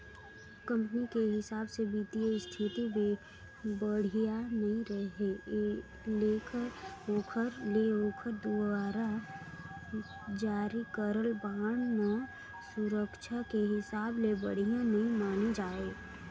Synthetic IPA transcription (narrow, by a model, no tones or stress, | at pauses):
kə̃mpənikeɦɪsaːbsebiːt̪iəst̪ʰɪt̪ibẽ | bəɽ̤ijanɐɦĩɾəɦe | leːkəɾoːkʰəɾleoːkʰəɾd̪uaːɾa | d͡ʒaːɾikəɾəlbaːəɽ̃nɔ | sʊɾəkʃʰakeɦɪsaːblebə̰ɽ̤ijãnɐɦĩmaːned͡ʒaːe